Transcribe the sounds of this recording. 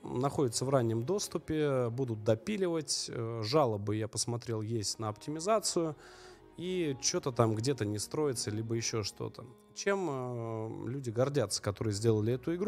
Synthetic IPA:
nɐxo̞dʲɪt̪səvranʲːɪmd̪o̞st̪ʊpʲɪbud̪ʊt̪̚d̪ɐpʲilʲɪvətʲəʐalˠəbɨjapəsmɐt̪ɾʲe̞lˠjesʲtʲnəɐptʲɪmʲɪzat̪sɨjʊ | it͡ɕo̞t̪ət̪amɡdʲe̞t̪ənʲɪst̪ɾo̞jɪt̪səlʲibəjɪɕːo̞ʂt̪o̞̰t̪ə | t͡ɕe̞m | lʲudʲɪɡɐrdʲat̪sːə̥kɐt̪o̞ɾɨjəzʲdʲe̞lˠəlʲɪɛt̪ʊɪɡɾ

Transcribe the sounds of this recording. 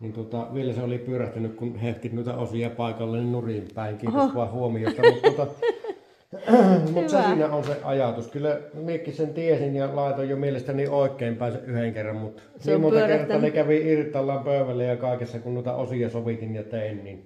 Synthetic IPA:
nint̪uot̪ɑʋielæseolipyøræht̪ænykkunheht̪it̪nuˑit̪æ̰osijɑpɑˑekɑlːɑninnurimpˑæˑeŋkiːʋɑhhuomijost̪ɑmut̪uot̪ɑ | mut̪sɑsiːnæonseʔʔɑjɑt̪uskylːæmiekːˑisent̪iesinjɑlɑˑet̪ojjomielest̪ænioˑekːˑeːˑmpæˑenseʔʔyheŋkerːɑmmut̪ | niːmmunt̪ɑkert̪ːɑnekæʋiirt̪ˑɑlːɑmpøˑyʋælːæjjɑkɑˑekesːɑkunnuˑit̪ɑ̰osijɑsoʋit̪injɑt̪eˑinnin

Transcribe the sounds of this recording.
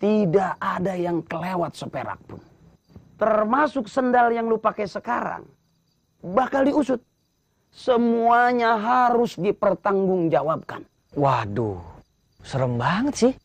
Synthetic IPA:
t̪idaːdajaŋkəlewat̪̚səpeɾa̰k̚pʊ̰n | t̪ərmasʊksəndaljaŋlupakɛsəkaɾa̰ŋ | bakaldiusʊt̪̚ | səmuaɲaɦaɾʊsdipərt̪aŋɡʊŋd͡ʒawab̚ka̰n | wado̰ | səɾəmbaŋsɪh

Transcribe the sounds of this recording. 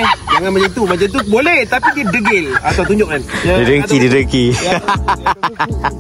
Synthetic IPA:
d͡ʒaŋanmə̃d͡ʒant̪umad͡ʒant̪ubolɛht̪apidiədəɡɛlat̪aat̪̬uɲd͡ʒʊʔk̚kandidəŋkididəŋki

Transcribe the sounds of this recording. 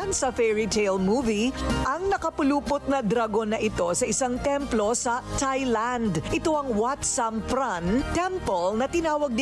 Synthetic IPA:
nsɐfɛɹit̪ʰejlmuːviʔɐŋnɐkɐpʊluːpʊt̪̚nɐd̪ɾɐɡo̞nːɐʔɪt̪o̞sɐʔɪsɐŋt̪ɛmplo̞sɐt̪ajland̪ʔɪt̪o̞ɐŋwat̪sɐmfɾant̪ɛmpolnɐt̪ɪnaːwɐɡ̚d̪

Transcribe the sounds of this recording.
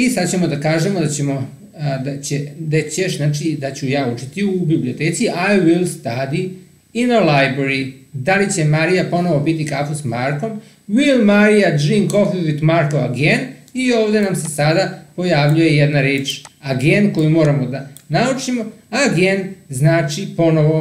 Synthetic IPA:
isad̪t͡ɕe̞mo̞d̪akaːʒemod̪at͡ɕemo̞ | d̪at͡ɕed̪at͡ɕeʃnaːt͡ʃid̪at͡ɕujaːut͡ʃit̪iubiblio̞t̪e̞ːt̪siʔajʋilˠst̪ad̪i | inalajbɾeɾid̪alit͡ɕe̞maɾijapo̞no̞ʋo̞bit̪ikakosmaɾko̞m | ʋilmaɾijad͡ʒiŋko̞fiʋit̪maɾkoa̰ɡenio̞ːʋd̪e̞namse̞sad̪apo̞jaʋʎuje̞jed̪naɾeːt͡ʃaɡenko̞jimo̞ːɾamo̞d̪anaut͡ʃimo̞aɡenznaːt͡ʃipo̞no̞ʋo̞

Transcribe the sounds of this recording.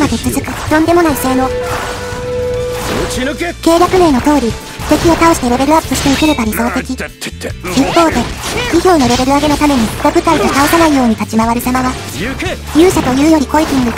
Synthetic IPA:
mad̪e̞t͡sɨzɨkɯ̟jõ̞nd̪e̞mo̞naise̞ːno̞ː | ke̞ːɾjakɯ̟me̞ːno̞t̪o̞ːɾʲi | t̪e̞kʲio̞t̪ao̞ɕi̥t̪e̞ɾe̞be̞ɾɯ̟apːɯɕi̥t̪e̞ike̞ɾe̞baɾʲiso̞ːt̪e̞kʲi | ipːo̞ːd̪e̞kʲiçʲo̞ːno̞ɾe̞be̞ɾɯ̟aɡe̞no̞t̪ame̞ɲ̟iɾobɯ̟kaid̪et̪aosanaijo̞ːɲ̟it̪at͡ɕimaβ̞aɾʲisamaβa | jʲɨːɕat̪o̞jɯ̟ːjo̞ɾʲiko̞it̪ʲĩŋɡɯ̟

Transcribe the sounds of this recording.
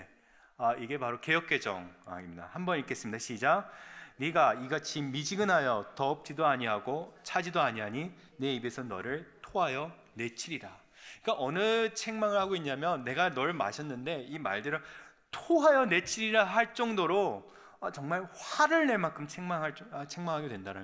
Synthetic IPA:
e | aiɡe̞paɾoke̞jʌp̚k͈e̞d͡ʑʌ̰ŋa̰imida̰hambʌnikʰe̞s͈ɯmidaɕʰid͡ʑaniɡaiɡat͡ɕimːid͡ʑiɡɯnɦajʌtʌːp̚t͡ɕ͈idoaɲiɦaɡot͡ɕʰad͡ʑidoaɲiɦaɲi | ne̞ibe̞sʰʌnʌ̰ɾɯɭtʰoɦajʌ | ne̞t͡ɕʰiɾiɾa | ik͈aʔʌnɯt͡ɕʰe̞ŋmaŋɯɭhaɡoiɲːamjʌnːe̞ɡanʌɭma̰ɕʰʌnːɯnde̞ima̰ɭdɯɾʌ | tʰoɦajʌne̞t͡ɕʰiɾiɾaɦaɭt͡ɕ͈ʌŋdoɾo | at͡ɕʌŋmaɭɸwaɾɯɭne̞ɭmankʰɯmt͡ɕʰeŋmaŋɦaɭt͡ɕ͈at͡ɕʰeŋmaŋɦaɡedwendaɾa

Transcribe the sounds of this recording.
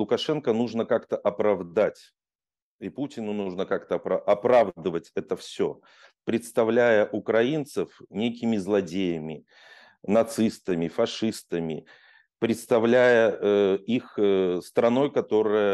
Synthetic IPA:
lˠʊkɐʂɛnkənuʐnəkakt̪əʔɐpɾɐvd̪atʲ | iputʲɪnʊnuʐnəkakt̪əpaʔɐpɾavd̪ɨvətʲɛt̪əfsʲɵ | pɾʲɪt̪st̪ɐvlʲæjəʔʊkɾɐint̪səfnʲejk̬ʲɪmʲɪzlˠɐdʲejəmʲɪ | nɐt̪sɨst̪əmʲɪfɐʂɨst̪əmʲɪ̰ | pɾʲɪt̪st̪ɐvlʲæjəixəst̪ɾɐno̞jkɐt̪o̞ɾɨjə

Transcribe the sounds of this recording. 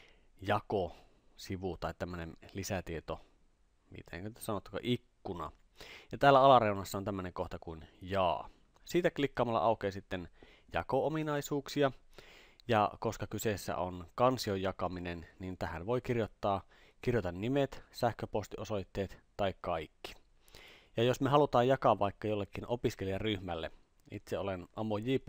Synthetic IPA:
jɑko | siʋut̪ɑit̪æmːønenlisæt̪iet̪o | mḭːt̪eḛŋkø̥sɑnot̪ːu̥kɑ̰ʔikːunɑ̰ | jɑt̪æːlːæɑlɑreunɑsːɑont̪æmːønẽŋkoht̪ɑkuinjɑ̰ː | siːt̪æklikːɑːmɑlːɑ̰ʔɑˑukeːsit̪ːen | jɑ̰koominɑisuːksiɑ | jɑ̰koskɑkysesːæ̰onkɑnsiojːɑkɑminennint̪æhænʋoikirjot̪ːɑː | kirjot̪ɑnːimet̪sæhkøpost̪iosojt̪ːeːt̪t̪ɑikkɑikːi̥ | jɑjosmeɦɑlut̪ɑːjjɑkɑʋʋɑikːɑjolːekːinʔopiskeliɑryhmælːḛ | ḭt̪seolenɑmojiːpː

